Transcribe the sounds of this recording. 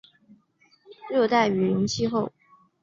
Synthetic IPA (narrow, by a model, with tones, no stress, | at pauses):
ɻɤ˥˧t̪a˥˩ɪy˨˩ɻə˧˥nt͡ɕʰi˥xo˥˩ʊ